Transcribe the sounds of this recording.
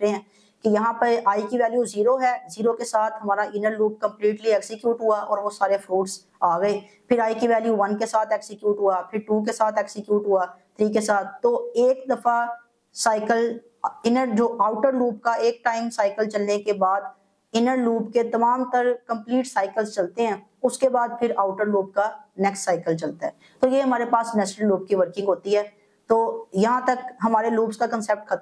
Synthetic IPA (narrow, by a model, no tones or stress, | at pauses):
ɾeɦɛ̃ː | kijɐɦãpəɾaːikiʋɛːljuziːɾoɦɛːziːɾokesaːt̪ʰɦɐmaːɾaʔɪnəɾluːp̚kɐ̃mpliːʈliɛːksɪkjuːʈɦʊaʔɔːɾʋosaːɾefɾoːʈs | aːɡəeː | pʰɪɾaːikiʋɛːljuʋɐnkesaːt̪ʰɛːksɪkjuːʈɦʊapʰɪɾʈuːk̬esaːt̪ʰɛːksɪkjuːʈɦʊat̪ʰɾiːkesaːt̪ʰːoːeːkd̪ɐfa | saːɪkəl | ɪnəɾd͡ʒoːʔaːʊʈəɾluːp̚kaeːk̚ʈaːɪmsaːɪkəlt͡ʃɐlnekebaːd̪ | ɪnəɾluːpket̪ɐmaːmt̪əɾkɐ̃mpliːʈsaːɪkəlst͡ʃɐlt̪eɦɛ̃ː | ʊskebaːd̪̚pʰɪɾaːʊʈəɾluːp̚kanɛːksʈsaːɪkəlt͡ʃɐlt̪aɦɛː | t̪oːjeɦɐmaːɾepaːsnɛːʃnəlːuːb̚kiʋəɾkɪ̃ŋɡɦoːt̪iɦɛː | t̪oːjɐɦãt̪ɐkɦɐmaːɾeluːbskakə̃nsep̚ʈ̚kʰɐt̪